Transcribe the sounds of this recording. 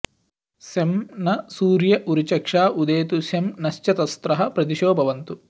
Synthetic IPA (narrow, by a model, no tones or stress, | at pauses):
semnɐsuːɾjɐʔuɾut͡ʃɐkʂaːʔud̪eːt̪usjɐmnɐʃt͡ʃɐt̪ɐst̪ɾɐɦɐ̆pɾɐt̪̬iʃoːbʱɐʋɐnt̪u